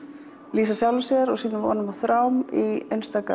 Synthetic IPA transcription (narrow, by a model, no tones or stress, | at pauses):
liːsasjawlvasɛɾɔɣsiːnʏvɔ̰ːnʏmaθɾaːwmiejnst̪aːka̰